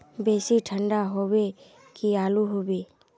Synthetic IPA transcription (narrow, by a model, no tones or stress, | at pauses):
beːsiʈʰə̃ɳɖaɦowe | kiaːluɦobeː